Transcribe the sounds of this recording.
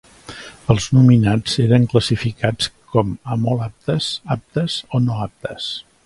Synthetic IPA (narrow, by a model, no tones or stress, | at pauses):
əlˠznuminad͡zeɾəŋkləsifikat͡skɔməmɔlap̚t̪əsap̚t̪əzonoap̚t̪əs